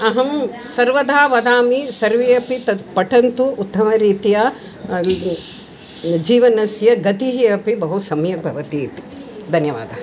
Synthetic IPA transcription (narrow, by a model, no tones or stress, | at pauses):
ɐɦɐmsɐɾʋɐd̪ʱaːʋɐd̪ʱaːmisɐɾʋiɐpit̪ɐpɐʈɐnt̪uːt̪ːɐmɐɾiːt̪ijaː | d͡ʒiːʋɐnɐsjɐɡɐt̪iɦiɐpibɐɦusɐmjɐk̚bʱɐʋɐt̪iːt̪d̪ʱɐnjɐʋa̰ːd̪ʱɐ